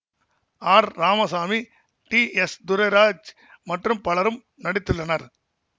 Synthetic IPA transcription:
aːɾːaːmɐsaːmi | ʈiɛsd̪ʊɾɐɪɾaːd͡ʒ | mɐʈrɯmpɐɭɐɾɯm | nɐɽɪt̪ːɯɭːɐnɐɾ

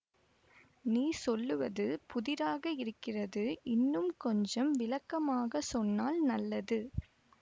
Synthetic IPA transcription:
niːsɔlːɯʋɐðɯpʊðɪɾaːɣɐɪɾɯkːɪrɐðɯʔɪnːɯmkɔɲd͡ʒɐmʋɪlɐkːɐmaːɣɐsɔnːaːlnɐlːɐðɯ

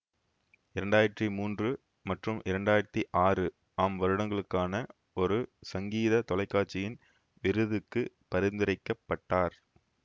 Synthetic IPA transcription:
ɪɾɐɳɖaːjɪɾɐt̪ːimuːndrɯ | mɐʈrɯmʔɪɾɐɳɖaːjɪɾɐt̪ːiʔaːrɯ | aːmʋɐɾɯɽɐŋɡɐɭɯkːaːnɐ | ɔɾɯsɐŋɡiːðɐt̪ɔlɐɪkːaːʈ̚t͡ʃːɪjɪn | ʋɪɾɯðɯkːɯ | pɐɾɪnd̪ɪɾɐɪkːɐpːɐʈːaːɾ

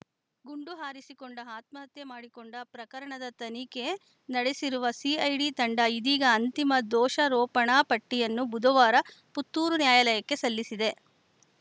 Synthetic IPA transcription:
ɡuɳɖuɦaːɾisikoɳɖɐaːt̪mɐɦɐt̪jemaːɽikoɳɖɐpɾɐkɐɾɐɳɐd̪ɐt̪ɐnike | nɐɽesiɾuʋɐsiɐjɖiːt̪ɐɳɖɐid̪iːɡɐːnt̪imɐd̪ɔːʃɐɾɔːpɐɳaːpɐʈːijɐnːubud̪ʱɐʋaːɾɐ | put̪ːuːɾunjaːjɐlɐjɐkːe̞sɐlːisid̪e̞

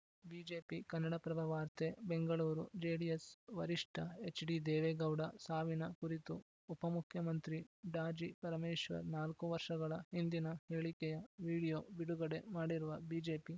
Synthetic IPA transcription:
biːd͡ʒeːpikɐnːɐɽɐpɾɐʋɐʋaːɾt̪ʰebeŋɡɐɭuːɾud͡ʒeːɽijesʋɐɾiʂʈʰɐet͡ʃɖid̪eːʋeɡɐwɽɐsaːʋinɐkuɾit̪u | upɐmukʰjɐmɐnt̪ɾiɖaːd͡ʒipɐɾɐmeːʃʋɐ̰ɾnaːlkuʋɐɾʂɐɡɐɭɐhind̪inɐheːɭikɛjɐʋiːɽijoːbiɽuɡɐɽe̞maːɽiɾuʋɐbiːd͡ʒeːpi

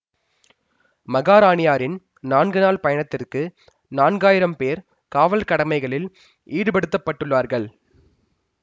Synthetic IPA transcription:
mɐɣaːɾaːnɪjaːɾɪn | naːnɡɯnaːlpɐjɐɳɐt̪ːɪrkɯ | naːnɡaːjɪɾɐmpeːɾ | kaːʋɐlkɐɽɐmɐɪɣɐɭɪl | ʔiːɽɯpɐɽɯt̪ːɐpːɐʈːɯɭːʋaːɾɣɐɭ

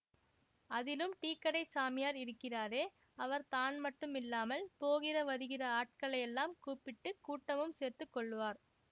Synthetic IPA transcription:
ɐðɪlɯmʈiːkːɐɽɐɪsaːmɪjaːɾɪɾɯkːɪraːɾeː | ɐʋɐɾt̪aːnmɐʈːɯmɪlːaːmɐlpoːɣɪrɐʋɐðɯɣɪrɐaːʈ̚kɐɭɐjɛlːaːmkuːpːɪʈːɯkːuːʈːɐmɯmseːɾt̪ɯkːɔɭːɯʋaːɾ

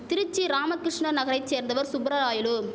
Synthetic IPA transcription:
t̪ɪɾɯt͡ʃːiɾaːmɐkːɾɪʂɳɐnɐɣɐɾɐɪt͡ʃseːɾnd̪ɐʋɐɾsʊbɾɐɾaːjɪlɯ

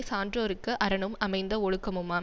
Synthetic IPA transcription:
saːndroɾɯkːɯʔɐɾɐɳɯmɐmɐɪnd̪ɐɔɻɯkːɐmɯmaː

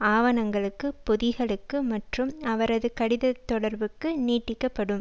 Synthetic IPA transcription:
aːʋɐnɐŋɡɐɭɯkːɯpɔðɪɣɐɭɯkːɯmɐʈrɯmɐʋɐɾɐðɯkɐɽɪðɐt̪ːɔɽɐɾbɯkːɯniːʈːɪkːɐpːɐɽɯm

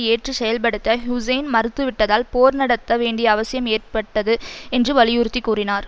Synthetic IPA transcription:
eːʈrɯsɛjɐlp̬ɐɽɯt̪ːɐɦjʊsɐɪnmɐɾɯt̪ːɯʋɪʈːɐðaːlpoːɾnɐɽɐt̪ːɐʋeːɳɖɪjɐːʋɐsɪjɐmeːrpɐʈːɐðɯɛndrɯʋɐlɪjʊɾɯt̪ːikːuːrɪnaːɾ

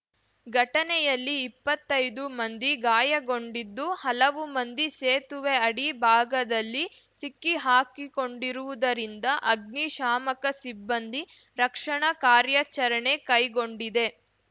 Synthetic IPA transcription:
ɡʱɐʈɐnɛjɐlːiːpːɐt̪ːɐjd̪umɐnd̪iɡaːjɐɡo̞ɳɖid̪ːuhɐlɐʋumɐnd̪iseːt̪uʋeɐɽibʱaːɡɐd̪ɐlːi | sikːiɦaːkiko̞ɳɖiɾuʋud̪ɐɾind̪ɐʔɐɡniʃaːmɐkɐsibːɐnd̪i | ɾɐkʂɐɳɐkaːɾjɐt͡ʃɐɾɐɳe̞kɐjɡo̞ɳɖid̪e̞

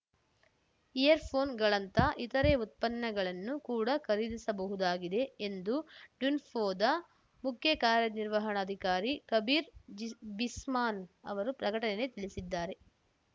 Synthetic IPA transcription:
ijɐɾpʰoːnɡɐɭɐnt̪ɐʔit̪ɐɾeut̪̚pɐnːɐɡɐɭɐnːukuːɽɐkʰɐɾid̪isɐbɐɦud̪aːɡid̪e̞end̪uɖunpʰoːd̪ɐ | mukʰjɐkaːɾjɐniɾʋɐɦɐɳɐːd̪ʱikaːɾikɐbiːɾbismaːnɐ̰ʋɐɾupɾɐkɐʈɐnene̞t̪iɭisid̪ːaːɾe̞

